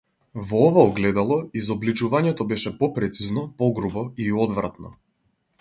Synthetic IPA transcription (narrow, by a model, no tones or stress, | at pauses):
vɔɔvaɔɡlɛd̪alˠɔizɔblit͡ʃuvaɲɛt̪ɔbɛʃɛpɔpɾɛt̪siznɔpɔɡɾubɔiɔd̪vɾa̰t̪nɔ̰